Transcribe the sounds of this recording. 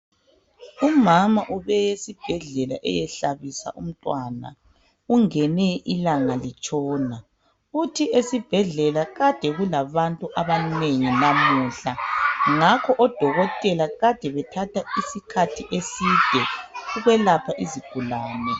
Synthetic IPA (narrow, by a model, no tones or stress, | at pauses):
umamaʔuβɛjesib̥ʱɛɮɛla̰ʔɛ̰jɛɬaβisa̰ʔum̩tʼwana̰ | uŋɛnɛʔilaŋalit͡ʃʼɔːna | utʰiesib̥ʱɛɮɛlaɣad̥ʱɛɣulaβantʼuʔaβaneŋinamuːɬaŋakʰɔʔɔd̥ʱɔɣɔtʼɛlaɣad̥ʱɛβɛtʰatʰaisikʰatʰiʔesid̥ʱɛuɣwɛlapʰaʔiziɡ̥ʱulaːnɛ